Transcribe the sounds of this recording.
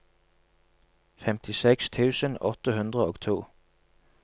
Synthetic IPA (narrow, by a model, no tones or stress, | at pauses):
fɛmt̪ʰɪsɛkst̪ʰʉːsənɔt̪əhʉnd̪ʁəoːɡt̪ʰuː